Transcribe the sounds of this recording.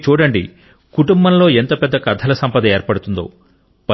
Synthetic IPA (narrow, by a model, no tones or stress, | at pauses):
t͡ʃuːɽɐɳɖi | kuʈumbɐmlo̞ːent̪oːpɛd̪ːɐkɐd̪ʱːɐlɐsɐmpɐd̪ɐeːɾpɐɽut̪und̪o̰ː | pɐ